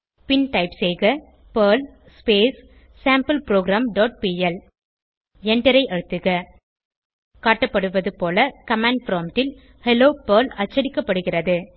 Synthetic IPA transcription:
pɪnʈɐɪpseːɣɐ | pɐːl | speːs | saːmpɐlpɪɾoːɡɾaːmɖoːʈ̚piːɛl | ɛɳɖɐɾɐɪʔɐɻɯt̪ːɯɣɐ | kaːʈːɐpːɐɽɯʋɐðɯpoːlɐkɐmɛɳɖ̚fɾoːmʈɪl | hɛloːpɐːlɐt͡ʃːɐɽɪkːɐpːɐɽɯɣɪrɐðɯ

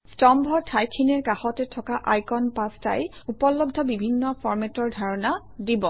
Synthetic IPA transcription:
stɔmbʱɔtʰajkʰːinɛɹkaxɔtɛtʰɔkaʔajkɔnpasta̰jupɔlɔbdʱɔbibʱinːɔpʰɔɹmɛtɔɹdʱaɹɔna | dibɔ

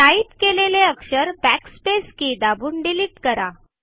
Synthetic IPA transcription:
aiːt̪keleleəkʂəɾbækspeskiːd̪abuːɳɖiliːʈkəɾa

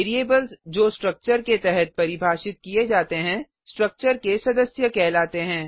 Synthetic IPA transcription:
ɾieːbəlzd͡ʒoːsʈɾɐk̚t͡ʃəɾket̪ɛɦɛt̪̚pɐɾɪbʱaːʃɪt̪̚kied͡ʒaːt̪eɦɛ̃ː | sʈɾək̚t͡ʃəɾkesɐd̪əsjəkɛːlaːt̪eɦɛ̃ː

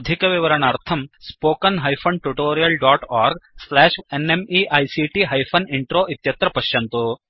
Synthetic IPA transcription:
d̪ʱikɐʋiʋɐɾɐɳaːɾt̪ʰɐmspoːkɐnɦɐjfʰɐnʈuʈoːɾijɐlɖaːʈaːɾɡslɛːʃenemiʔɐjsiʈiɦɐjpʰɐniɳʈɾoːʔit̪jɐt̪ɾɐpɐʃjɐnt̪u

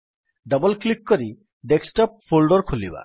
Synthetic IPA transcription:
ɖɔbɔlklikːɔɾi | ɖeksʈɔp̚fʰolɖɔɾkʰuliba̰

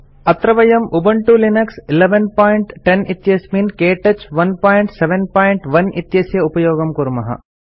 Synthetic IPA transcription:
ɐt̪ɾɐʋɐjɐmubɐɳʈulinɐksileʋenpaːjɳʈʈenit̪jɐsminkeːʈɐt͡ʃʋɐnpaːjɳʈseʋenpaːjiɳʈʋɐnit̪jɐsjɐupɐjoːɡɐmkuɾmɐɦɐ̰

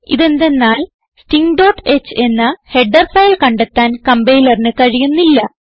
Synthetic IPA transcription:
iðe̞nd̪e̞nːaːl | sʈiŋɡɖo̞ːʈːe̞t͡ɕːɨe̞nːɐhe̞ɖːɐrfɐjlkɐɳɖet̪ːaːnkɐmbejlɐrinɨkɐɻijunːilːɐ

